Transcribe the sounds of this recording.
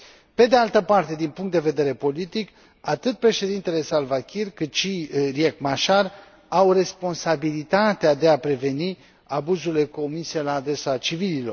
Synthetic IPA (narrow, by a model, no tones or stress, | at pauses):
pe̞d̪ealt̪əpart̪e̞d̪inpuŋkt̪d̪eve̞d̪e̞ɾe̞po̞lit̪ik | at̪ɨt̪̚pɾe̞ʃe̞d̪int̪e̞le̞salvakʲirkɨt̪ʃiriekmaʃar | awre̞spo̞nsabilit̪at̪ead̪e̞apɾe̞ve̞ni | abuzuile̞ko̞mise̞laːd̪ɾe̞sat͡ʃivililo̞̰r